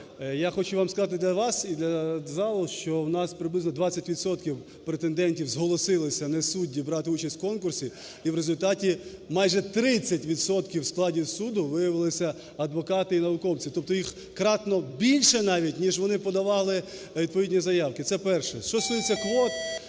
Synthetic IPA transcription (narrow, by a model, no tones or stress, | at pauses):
jaxɔt͡ʃʊʋɑmskɐzɑt̪ɪd̪lʲɐʋɑsid̪lʲɐzɑlˠɔʃt͡ʃɔwnɑspɾɪblɪznɔd̪ʋɑt͡sʲːɐtʲʋʲid̪sɔt̪kʲiw | pɾet̪end̪ɛnʲtʲiwzɦɔlˠɔsɪlˠɪsʲɐnɛsudʲːibɾɑt̪ɪut͡ʃɐsʲtʲkɔnkʊrsʲi | iwɾezʊlʲt̪ɑtʲi | mɑjʒɛt̪ɾɪt͡sʲːɐtʲʋʲid̪sɔt̪kʲiwsklˠɑdʲisud̪ʊʋɪjɐʋɪlˠɪsʲɐ | ɐd̪ʋɔkɑt̪ɪinɐʋʊkɔwt͡sʲit̪ɔp̚t̪ɔjix | kɾɑt̪nɔbʲilʲʃɛnɑʋʲitʲnʲiʒʋɔnɪpɔd̪ɐʋɑlˠɪ | ʋʲid̪̚pɔidʲnʲizɐjɑwkɪt̪sɛpɛrʃɛʃt͡ʃɔsujet͡sʲːɐkʋɔt̪